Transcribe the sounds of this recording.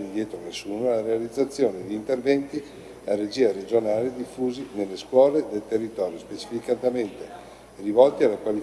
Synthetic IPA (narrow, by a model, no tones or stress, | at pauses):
nid̪jɛːt̪ɾonesːuːnolaɾealid̪zːat̪sːjoːned̪iiːnt̪ervɛnt̪i | ared͡ʒiːaɾed͡ʒonaːled̪ifːuːzinelːeskwɔːled̪elt̪erːit̪ɔːɾjospet͡ʃi̥fikat̪ament̪e | rivɔlt̪ialːakwali